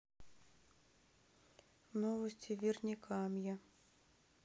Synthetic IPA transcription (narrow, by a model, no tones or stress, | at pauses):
nɔvɐsʲtʲivʲirnʲikʰɑmja